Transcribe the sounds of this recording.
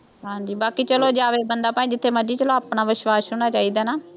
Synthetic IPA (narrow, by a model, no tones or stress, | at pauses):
ɦãːɲd͡ʒiːbaːkiːt͡ʃəloːd͡ʒaːʋeːbənd̪aːpaːĩːd͡ʒɪt̪ʰːeːməd͡ʒiːt͡ʃəloːaːpnaːʋɪʃwaːsʊnaːt͡ʃaːiːd̪aːnaː